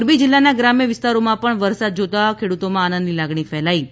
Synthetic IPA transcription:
ɾmid͡ʒɪlːanaɡɾamjəʋɪst̪aɾomãpəɳʋəɾsad̪̚d͡ʒot̪akʰeɽut̪omãanə̃nd̪nilaɡɳifɛɦlai

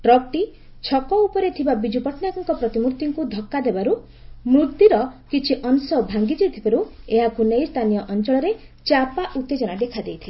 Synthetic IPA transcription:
ʈɾɔk̚ʈi | t͡ʃʰɔkɔupɔɾet̪ʰibabid͡ʒupɔʈnakaŋkɔpɾɔt̪imuɾt̪iŋkud̪ʱɔkːad̪ebaɾu | mɾut̪ːiɾɔkit͡ʃʰiʔɔnsɔbʱaŋɡid͡ʒet̪ʰibaɾueɦaɡunejst̪ʰanijɔʔɔnt͡ʃɔɭɔɾe | t͡ʃapaʔut̪ːed͡ʒɔɽ̃ad̪ekʰad̪ejt̪ʰile

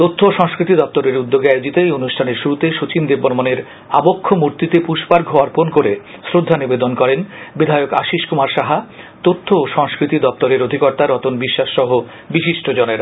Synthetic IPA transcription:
t̪ot̪ʰːoʃɔŋskɾit̪id̪ɔp̚t̪oɾeɾud̪ːoɡeajod͡ʑit̪ejonuʃʈʰaneɾʃuɾut̪eʃot͡ɕind̪ebːonmoneɾ | abokʰːomuɾt̪it̪epuʃpaɾɡʱoaɾponkoɾesɾod̪ʱːanibed̪onkɔɾenbid̪ʱaeoka̰ʃiʃkumaɾʃaɦa | t̪ot̪ʰːooʃɔŋskɾit̪id̪ɔp̚t̪oɾeɾod̪ʱikɔɾt̪aɾɔt̪onbiʃːaʃːɔɦo | biʃiʃʈʰod͡ʑɔneɾ

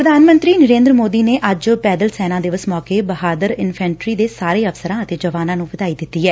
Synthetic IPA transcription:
pɾəd̪ʱaːnmə̃nt̪ɾiːnəɾẽːnd̪ɾəmoːd̪iːneːʔəd͡ʒpɛːd̪əlsɛːnãːd̪eːʋəsmɔːkeːbəhaːd̪əɾɪnpʰɛ̃ːɳʈɾiːd̪eːsaːɾeːəfsəɾãːət̪eːd͡ʒəʋaːnãːnũːʋɪd̪aːid̪ɪt̪ːiːɦɛː

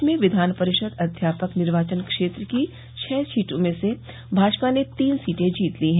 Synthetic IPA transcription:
mẽʋɪd̪ʱaːnpɐɾɪʃəd̪ɐd̪ʱjaːpəknɪɾʋaːt͡ʃənkʃeːt̪ɾəki | t͡ʃʰɛːsiːʈõmẽse | bʱaːd͡ʒpanet̪iːnsiːʈẽd͡ʒiːt̪liɦɛ̃

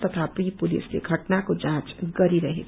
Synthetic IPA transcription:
t̪ʌt̪ʰapɾipulḭslḛɡʱɐʈnakod͡ʒãt͡ʃɡʌɾiɾəɦḛ

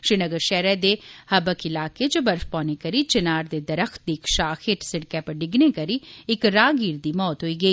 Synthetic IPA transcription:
ʃɾinəɡəɾʃɛːɾɛːd̪ehɐbəkɪlaːket͡ʃʊbəɾfpɔ̃ːnekɐɾit͡ʃɐnaːɾd̪eːd̪ɐɾəxt̪̚d̪iɪkʃaːxʰɪʈsɪɽkɛːpəɾɖɪɡneːkɐɾiɪkɾaːɡiːɾd̪iːmɔːt̪ɦoːiːɡɐiː

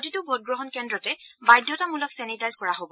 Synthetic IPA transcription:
titʊbʱod̚ɡɹɔɦɔnkɛndɹɔtɛbajdʱːɔtamulɔksɛnitajzkɔɹaɦobɔ

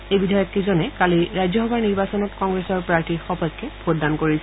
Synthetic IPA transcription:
ejbidʱɔjɔt̚kizɔnɛkaliɹajzɔɔbaɹniɹbasɔnɔtkɔŋɡɹesɔɹpɹaɹtixɔpɔzkɛbʰʱotdankoɹisɛ

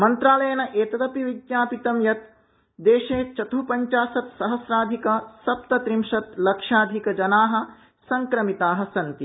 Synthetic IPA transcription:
mɐnt̪ɾaːlɐjɐnɐʔeːt̪ɐd̪ɐpiʋiɡjaːpit̪ɐmjɐt̪ | d̪eːʃeːt͡ʃɐt̪uːpɐɲt͡ʃaːsɐt̪sɐɦɐsɾaːd̪ʱikɐsɐp̚t̪ɐt̪ɾimʂɐt̪lɐkʂaːd̪ʱikɐd͡ʒɐnaːɦɐ̆ | sɐŋkɾɐmit̪aːɦɐ̆sɐnt̪i

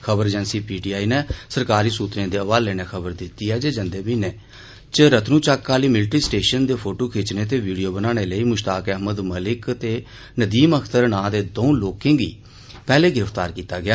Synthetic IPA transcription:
kʰəbəɾd͡ʒɛnsiːpiːʈiːaːiːnɛːsəɾkaːɾiːsuːt̪ɾẽːd̪eːəʋaːlleːneːkʰəbəɾd̪ɪt̪ːiːɛːd͡ʒeːd͡ʒənd̪eːbiːneː | t͡ʃəɾət̪ʰnũːt͡ʃaːkːaːliːmɪlʈiːsʈeːʃənd̪eːpʰoːʈoːkʰeːt͡ʃneːt̪̬eːʋiːɖijoːbənãːɽ̃eːləiːmʊʃt̪aːkəɦməd̪məlɪkt̪eː | nəd̪iːməkʰt̪əɾnãːd̪eːd̪oũːloːkɪ̃ːɡḭː | pɛːleːɡɪɾəpʰt̪aːɾkiːt̪aːɡɪjaː

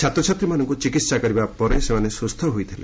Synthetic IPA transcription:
t͡ʃʰat̪ɾɔt͡ʃʰat̪ɾimanɔŋkut͡ʃikit̪sakɔɾibapɔɾesemanesust̪ʰɔɦojt̪ʰilḛ

